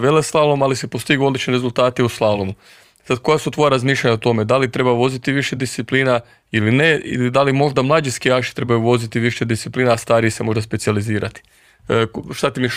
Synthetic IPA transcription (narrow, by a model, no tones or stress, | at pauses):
ʋeleslˠalomalisepost̪iɡuod̪lit͡ʃniɾezulˠt̪aːt̪iuslˠalˠomu | sad̪̚ko̞jasut̪ʋo̞jaɾazmiːʃʎʲaɲaot̪o̞me̞d̪alit̪ɾe̞baʋo̞zit̪iʋiʃed̪ist̪sipliːna | ilineḭid̪alimo̞ʒd̪amlˠaːd͡ʒiskijaːʃi̥t̪ɾe̞bajuʋo̞zit̪iʋiʃed̪ist̪sipliːnaːst̪aːɾijisemo̞ʒd̪aspesializiːɾʔat̪i̥ | ʃt̪at̪imi